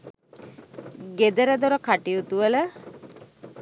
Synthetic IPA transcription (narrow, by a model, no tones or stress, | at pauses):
ɡed̪əɾəd̪oɾəkaʈijut̪uʋələ